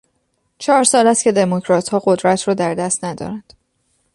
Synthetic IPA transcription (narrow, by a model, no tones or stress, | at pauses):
t͡ʃʰɒːɾsɒːlæst̪cʰe̞d̪e̞mocʰɾɒːt̪hɒːɢod̪ɾæt̪ʰrɒːd̪æɾd̪æst̪næd̪ɒ̰ːɾænd̪̥